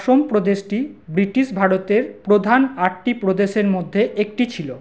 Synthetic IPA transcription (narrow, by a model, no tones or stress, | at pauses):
ʃompɾod̪eʃʈibɾiʈiʃbʱaɾot̪eɾpɾod̪ʱanaʈʈipɾod̪eʃeɾmod̪ʱːeek̚ʈit͡ɕʰilo